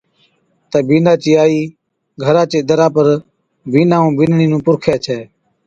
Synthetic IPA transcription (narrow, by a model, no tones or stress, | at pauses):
t̪eːbiːnaːt͡ʃiːaːiː | ɡʱəɾãːt͡ʃeːd̪əɾãːpəɾ | biːnãːũːbɪnɳiːnũːpʊɾkʰɛːt͡ʃʰɛː